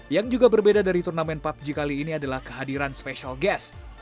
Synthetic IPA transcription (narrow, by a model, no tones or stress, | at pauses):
jaŋd͡ʒuɡabərbedadaɾit̪urnamɛnpap̚d͡ʒikaliːniadalahkə̥ɦadiɾanspeʃalɡɛs